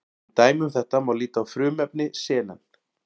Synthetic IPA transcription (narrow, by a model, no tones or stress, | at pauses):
t̪aːjmʏmθɛht̪amawliːt̪aːwfɾʏːmɛpnɪsɛːna̰n